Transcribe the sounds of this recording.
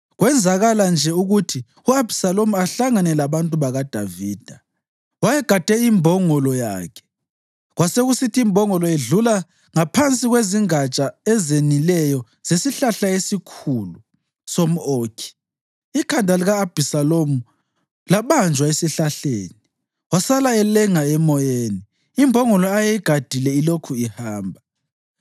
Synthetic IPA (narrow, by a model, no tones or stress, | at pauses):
ɣwɛnd͡zʱaɣaland͡ʒʱɛuɣutʰi | uab̥ʱisalomuaɬaŋanɛlaβantʼuβaɣad̥ʱa̰viːd̥ʱa | wajɛɡ̥ʱad̥ʱɛimbʱɔŋɔlɔja̰ːkʰɛ̥ | ɣwaseɣusitʰiimbʱɔŋɔlɔeɮula | ŋapʰant͡sʼiɣweziŋat͡ʃʼaɛzenilɛjɔ | z̥esiɬaɬaesikʰulu | som̩oːkʰi̥ | ikʰandʱaliɣaːb̥ʱisalomu | laβand͡ʒʱwaesiɬaɬḛːni | wasalaɛlɛŋaɛmɔjeːni | imbʱɔŋɔlɔajɛiɡ̥ʱad̥ʱilɛilokʰuihaːmbʱa